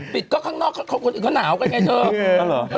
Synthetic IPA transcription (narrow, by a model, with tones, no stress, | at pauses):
pi˨˩t̚kɔː˦˥˩kʰaː˥˩ŋnɔː˥˩k̚ːkʰi˨˩kɔː˧˥naː˩˦wkaː˧jŋa˧˩t͡ɕəː˧˦˧